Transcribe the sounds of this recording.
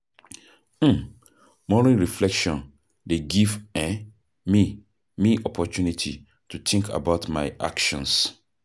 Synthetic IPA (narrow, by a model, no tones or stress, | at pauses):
m̩ | mɔɹĩnɹiflɛkʃɔ̃n | deɡivɛ̃ | mi | miʔɔpʰɔt͡ʃʰunitʰi | tʰut̪ʰĩŋkʰa̰baʊtmaɪʔa̰kʃɔ̃ns